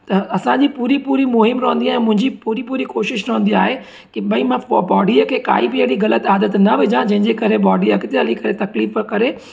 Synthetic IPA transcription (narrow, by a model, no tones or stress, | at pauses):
t̪ɐɐsãɲd͡ʑiːpuːɾipuːɾimʊɦɪmɾɐɦə̃nd̪iaːɦɛ̃mʊ̃ɦɪ̃ɲd͡ʑipuːɾipuːɾikoːʃɪʃɾɐɦə̃nd̪iaːɦe | kɪɓɐĩmãbɔːɖiəkʰeːka̰ːibɪeɽiɣɐlət̪aːd̪ət̪nɐʋɪd͡ʑãd͡ʑɐ̃ɦɪ̃ɲd͡ʑekɐɾebɔːɖiɐkɪt̪eɦɐlikɐɾet̪ɐkliːfkɐɾe